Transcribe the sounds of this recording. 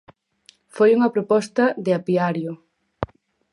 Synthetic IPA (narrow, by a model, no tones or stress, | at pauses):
fojuŋɐpɾopɔst̪ɐðɪapiaɾjʊ